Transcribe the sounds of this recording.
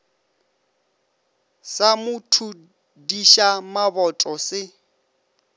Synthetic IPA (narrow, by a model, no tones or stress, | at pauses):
samʊtʰu | diʃamabɔtʼɔsɪ